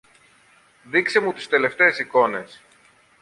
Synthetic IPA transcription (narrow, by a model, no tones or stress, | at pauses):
ðikse̞mut̪i̥st̪e̞le̞ft̪e̞ːsiko̞ne̞s